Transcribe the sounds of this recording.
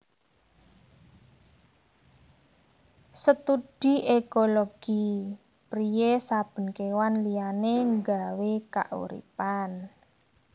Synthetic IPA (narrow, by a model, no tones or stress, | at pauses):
sət̪ud̥i̤ekoloɡ̥i | pɾijesab̥ə̤nkewanlijaneŋɡaweka̰ʔṵɾḭpan